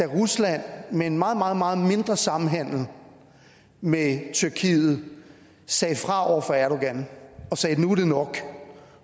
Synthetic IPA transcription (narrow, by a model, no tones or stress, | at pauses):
d̥æʁuslæn̰meenmɑ̈ːð̞̩ˠmɑ̈ːð̞̩ˠmɑ̈ːð̞̩ˠme̝nd̥ʁɐsɑ̈mm̩ɦæn̰l̩ | met͡sʰyɐkʰḭːð̩ˠ | sɛɪfʁɑ̈ɒʊ̰ɐfɒ̽æɐɾo̝ɡ̥ænɒ̽sɛːnud̥e̝nɒ̽ɡ̥